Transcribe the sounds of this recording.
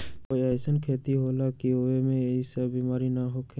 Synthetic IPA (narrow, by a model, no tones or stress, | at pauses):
koiɛsənkʰeːt̪iɦolakioemẽisəbbimaːɾinaɦokʰ